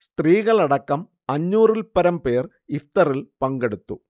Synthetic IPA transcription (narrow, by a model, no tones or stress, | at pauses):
st̪riːɣɐɭɐɽɐkːɐm | ɐɲːuːrilpɐɾɐmpe̞ːr | ift̪ɐrilpɐŋɡeɽut̪ːu